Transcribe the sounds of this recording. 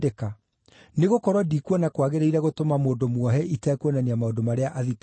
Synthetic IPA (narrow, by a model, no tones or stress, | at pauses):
eka | neɣokɔɾwɔdikwɔnakwaɣeɾeiɾɛɣotomamoːndomwɔɦɛʔitɛkwɔnaneamaondomaɾeaʔaðit